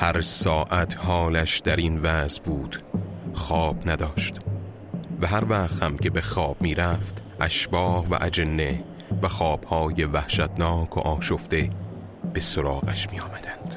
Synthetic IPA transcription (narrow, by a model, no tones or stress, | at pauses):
hæɾsɒːʔæt̪ʰhɒːlæʃd̪æɾinvæzbuːd̪̥xɒːb̥næd̪ɒːʃt̪ | væɦæɾvæʁt̪hæmcʰe̞be̞xɒːb̥̚miːɾæft̪ʔæʃbɒːhvæ̰ʔæd͡ʒenːe̞ | væxɒːb̥hɒːjevæhʃæt̪nɒːkʰo̰ʔɒːʃoft̪e̞ | b̥e̞soɾɒːɣæʃmiːjɒːmæd̪ænd̪̥